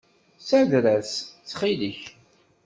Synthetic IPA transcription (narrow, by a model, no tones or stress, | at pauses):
sæðɾæst͡sːχiləç